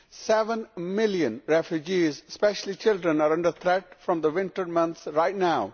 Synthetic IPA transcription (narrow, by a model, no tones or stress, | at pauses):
sɛʋə̃nmɪljə̃nɾɛfjud͡ʒiːzspɛʃəl̩it͡ʃɪlɖɾə̃naɾʌ̃ɳɖəɾt̪ʰɾɛʈ̚fɾɔ̃md̪əʋɪ̃nʈəɾmʌ̃nt̪sɾaɪʈnaʊ